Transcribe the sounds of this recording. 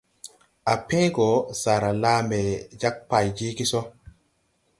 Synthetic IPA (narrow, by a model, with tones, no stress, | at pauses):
a˨pẽ˦ɡo˨˦sa˨ɾa˨laː˦me˨d͡ʒa˦k̚pa˨jd͡ʒi˦ki˦so˦